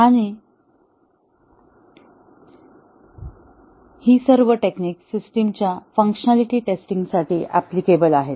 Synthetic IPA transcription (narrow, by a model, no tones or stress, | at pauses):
aɽ̃i | hiːsəɾʋəʈekniːksisʈimt͡ɕjafə̃ŋkɕənaliʈiːʈesʈiŋɡsaʈiːʔæ̰plikebəlaɦet̪